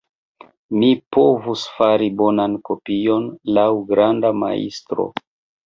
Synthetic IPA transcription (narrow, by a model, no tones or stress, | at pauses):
mipo̞vusfaɾibo̞nanko̞pijo̞nlawɡɾandama̰ḭstɾo̰